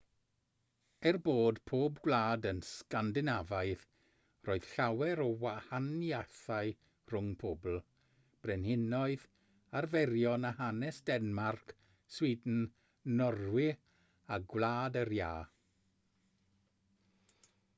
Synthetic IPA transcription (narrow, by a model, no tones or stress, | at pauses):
ɛrboːdpʰoːbɡwlaːdənskandɪnavaɨð | roːɨð̥ɬawɛɾɔwahanjaθaj | r̥ʊŋpʰobl̩ˠ | b̥rɛnhɪnɔɨð | arvɛɾjɔnaɦanɛsd̥ɛnmark | swidn̩ | nɔrwɪ | aɡwlaːdərjaː